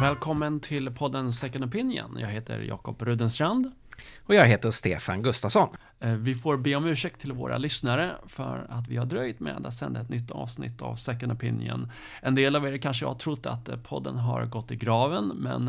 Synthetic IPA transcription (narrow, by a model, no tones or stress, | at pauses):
vɛːlkʰɔmːənt̪ʰɪlpʰɔd̪ːənsɛkːənɔpʰɪnjə̰njɑːɡɦeːt̪ʰə̰ɾjɑ̰ːkɔpɾʉ̟ːd̪ənsɾand̪ | ɔjɑːɡɦeːt̪əʂt̪ḛːfanɡɵst̪asɔn | vɪfoːɾbeːɔmʉ̟ːʂɛk̚t̪ʰːɪlvoːɾʔa̰lʏsnaɾəfœɾat̪vɪhaɖɾœjt̪mḛːd̪at̪sɛnd̪aɛt̪nʏt̪ʰːɑ̰ːvsnɪ̰t̪ʰːavsɛkːənɔpʰɪnjə̰n | ʔɛnd̪eːlaveːɾkʰanʂəjɑ̰haʈ̪ʰɾʊt̪ʰːa̰t̪pʰɔd̪ːənɦaɾɡɔt̪ːɪɡɾɑːvənmɛ̰n